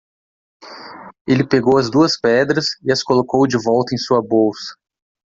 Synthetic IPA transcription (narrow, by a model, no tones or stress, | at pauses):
elɪpeɡowɐzd̪uɐspɛd̪ɾɐsɪɐskolokowd͡ʒɪvɔwt̪ɐẽj̃suɐbowsɐ̥